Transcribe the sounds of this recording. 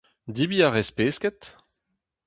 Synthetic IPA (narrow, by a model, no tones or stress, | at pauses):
d̪ibiaʁespeːskɛt̪